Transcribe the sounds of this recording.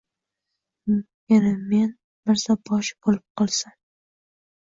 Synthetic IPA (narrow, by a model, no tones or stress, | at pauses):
enamen | bɪɾsabɒʃb̥olɪp̚qʰɒlˠsan